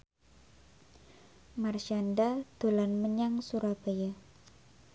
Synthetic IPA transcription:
marʃandad̪̥olanməɲaŋsuɾabaja

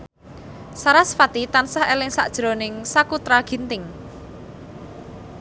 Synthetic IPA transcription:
saɾasfat̪it̪ansahelɪŋsa̰ʔd̥ʒ̥ɾo̤nɪŋsakut̪ɾaɡ̥i̤nt̪ɪŋ

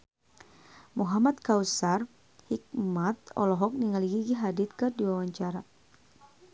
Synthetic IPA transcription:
muɦamat̪̚kausar | hik̚mat̪̚ɔ̰lɔɦɔk̚niŋaliɡiɡiɦadit̪̚kədiwawaɲt͡ʃaɾa

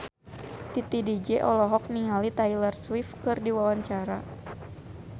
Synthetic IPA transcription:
t̪it̪idid͡ʒɛʔɔlɔɦɔk̚niŋalit̪ajlərswifkɨrdiwawaɲt͡ʃaɾa

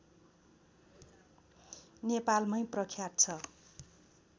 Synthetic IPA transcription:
nepalmʌjprʌkʰjat̪̚t͡sʰʌ

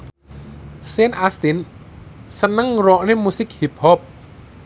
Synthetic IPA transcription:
senʔast̪in | sənəŋrɔʔnemusɪk̚hip̚hɔp̚

